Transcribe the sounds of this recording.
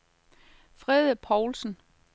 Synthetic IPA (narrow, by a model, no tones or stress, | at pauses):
fʁɛðˠpʰɒʊlsn̩